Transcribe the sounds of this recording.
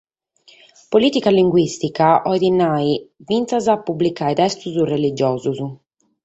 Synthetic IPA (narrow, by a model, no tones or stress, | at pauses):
poliːt̪ikaliŋɡwist̪ikaɔjd̪inaivint̪sazapːublikajt̪ɛst̪uzurelid͡ʒɔːzuzu